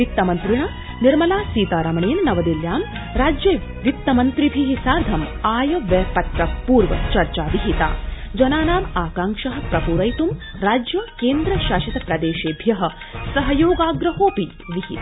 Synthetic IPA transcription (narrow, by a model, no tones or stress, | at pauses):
ʋit̪ːɐmɐnt̪ɾiɳɐ | niɾmɐlaːsiːt̪aːɾɐmɐɳeːnnɐʋɐd̪iljaːm | ɾaːd͡ʒjɐ | ʋit̪ːɐmɐnt̪ɾibʱiɦisaːɾd̪ʱɐmaːjɐʋɐːpɐt̪ɾɐpuːɾʋɐ̰t͡ʃɐɾt͡ʃaːʋiɦit̪a̰ːd͡ʒɐnaːnaːmaːkaːŋʂɐɦɐ̆pɾɐpuːɾɐjt̪um | ɾaːd͡ʒjɐkeːnd̪ɾɐʃaːʃɐt̪ɐpɾɐd̪eːʃeːbʱjɐɦɐ̆ | sɐɦɐjoːɡaːɡɾɐɦoːpi | ʋiɦit̪ː